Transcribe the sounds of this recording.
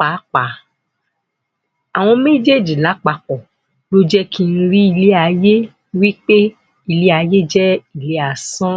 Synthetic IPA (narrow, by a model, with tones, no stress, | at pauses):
k͡pa˨˦k͡pa˨˦ | a˨w̃ɔ̃˧me˦˨d͡ʒe˦˨d͡ʒi˨la˨˦k͡pa˧k͡pɔ˨ | lo˦d͡ʒɛ˦kʰi˧n̩˧ɾi˦i˧le˦a˧je˦ | wi˦k͡pe˦ | i˧le˦a˧je˦d͡ʒɛ˦i˨le˨˦a˧sɔ̃˦